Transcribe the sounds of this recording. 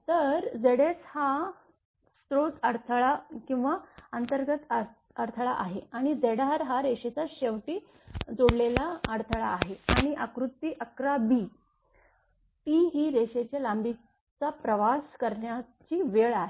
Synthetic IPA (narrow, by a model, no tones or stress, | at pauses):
t̪əɾd͡zeɽet͡sha | st̪ɾot͡səɾt̪ʰɭakĩw̃ʋaənt̪əɾɡət̪ə | əɾt̪ʰəɭaʔaɦeaɽ̃id͡zeɽaɾɦaɾeɕet͡saɕeʋʈiː | d͡zoɽlelaəɽt̪ʰəɭaːɦeaɽ̃iʔakɾut̪ːiːʔəkɾabi | t̪iɦiːɾeɕet͡ɕjalambʱi | t͡sapɾəʋaskəɾɳja | t͡ɕiːʋeɭaɦe